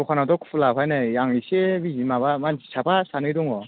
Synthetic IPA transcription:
ɔkʰanadɔkʰu̥pʰulapʰajnajjaŋisebizimabamansi̥sabasanɯjdɔŋɔ

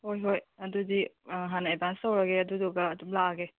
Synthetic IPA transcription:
hojɦojɐdudiɦanebansawɾaɡeɐduduɡaːdublaɡe

